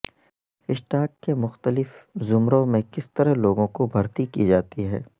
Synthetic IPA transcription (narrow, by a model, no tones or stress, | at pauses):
ɪʃʈaːkːemʊxt̪əlɪfzʊmɾõmẽkɪst̪əɾəɦloːɡõkobʱɐɾt̪ikid͡ʒaːt̪iɦɛ̰ː